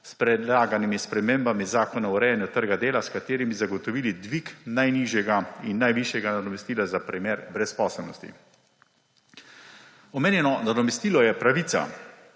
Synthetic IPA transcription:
spɾɛd̪laːɡanimispɾɛmeːmbamizaːkɔnauɾɛjanjut̪əɾɡad̪eːlaskat̪eːɾimizaɡɔt̪ɔʋiːlid̪ʋiknajniːʒjɛɡainːajʋiʃjɛɡanad̪ɔmɛst̪iːlazapɾimeːɾbɾɛspɔːsɛlnɔst̪ḭ | ɔmeːnjɛnɔnad̪ɔmɛst̪iːlɔjɛpɾaʋiːt̪sa̰

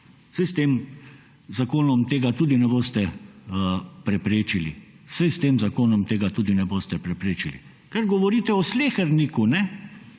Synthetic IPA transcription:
sɛjst̪eːm | zakoːnɔmt̪eːɡat̪uːd̪inɛboːst̪ɛ | pɾɛpɾeːt͡ʃilḭ | sɛjst̪eːmzakoːnɔmt̪eːɡat̪uːd̪inɛboːst̪ɛpɾɛpɾeːt͡ʃilḭ | kaɾɡɔʋɔɾiːt̪ɛɔsleːxɛɾnikunɛ

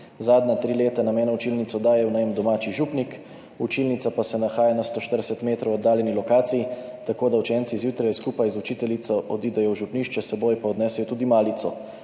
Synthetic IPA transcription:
zaːd̪nat̪ɾileːt̪anameːnaut͡ʃilnit̪sɔd̪aːjɛwnɛjmd̪ɔmaːt͡ʃiʒupnik | ut͡ʃilnit̪sapasɛnaxaːjanast̪oːʃt̪əɾd̪ɛsɛt̪meːt̪ɾɔwɔd̪ːaːljɛnilɔkaːt̪siji | t̪akoːd̪aut͡ʃɛːnt̪sizjuːt̪ɾajskuːpajzut͡ʃiːt̪ɛlit̪sɔʔɔd̪id̪ɛjɔwʒupniʃt͡ʃɛsɛboːjpaɔd̪nɛːsɛjɔt̪uːd̪imaːlit̪sɔ

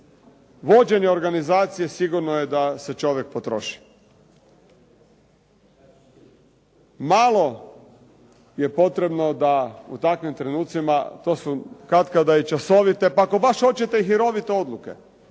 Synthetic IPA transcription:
ʋo̞d͡ʑe̞ɲeoɾɡanizaːt̪sije̞siɡuɾnojed̪ase̞t͡ʃo̞ʋjek̚pot̪ɾo̞̰ʃi̥ | malˠo̞ | je̞po̞t̪ɾe̞bno̞d̪aṵt̪akʋimt̪ɾenuːt̪simat̪o̞ːsukat̪kad̪ait͡ʃaso̞ʋit̪e̞pako̞baʃo̞t͡ɕet̪e̞iɦiɾo̞ʋit̪eo̞d̪luke̞̰

